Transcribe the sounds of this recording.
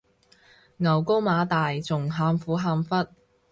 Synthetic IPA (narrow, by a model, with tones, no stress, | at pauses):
ŋɐ˨˩wko˥wmaː˨˧t̪aː˨jt͡sʊ˨˩ŋɦaː˨˧mfuː˨˥ɦaː˧mfɐ˥t̚